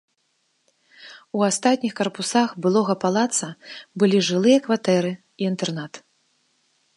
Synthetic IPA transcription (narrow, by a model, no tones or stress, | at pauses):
uast̪at̪ʲnʲixkɐrpusaxbɨlˠɔɣɐpalˠat̪sɐbɨlʲiʐɨlˠɨjɐkvat̪ɛɾɨ | iːnt̪ɛrnat̪